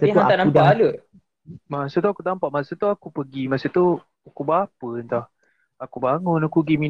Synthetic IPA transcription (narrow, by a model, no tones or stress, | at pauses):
təɦaat̪anaubaaləʔ | masət̪uakut̪ampaʔmasət̪uakupəɡimasət̪u | akubaapənt̪ɔh | akubaŋʊnakuɡimi